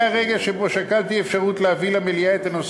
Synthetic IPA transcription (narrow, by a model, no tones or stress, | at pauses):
aʁeɡelʃebo̞ʃakalt̪iefʃaʁut̪leavilamelijaet̪anos